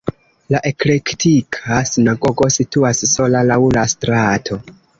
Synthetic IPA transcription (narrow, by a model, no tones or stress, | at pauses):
laʔe̞klektikʰasinaɡo̞ɡo̞situasso̞lalawlastɾatʰo̞